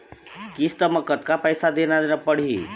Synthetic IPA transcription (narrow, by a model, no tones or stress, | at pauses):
kist̪əmʌkʌt̪kapəjsad̪enad̪enapʌɽ̤i